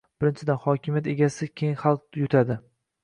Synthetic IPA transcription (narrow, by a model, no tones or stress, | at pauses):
b̥ɪɾɪnt͡ʃʰɪd̪anχɒkʲʰɪmjat̪e̞ɡʲasɪkʲʰejŋχalˠqjʊt̪ʰad̪ɪ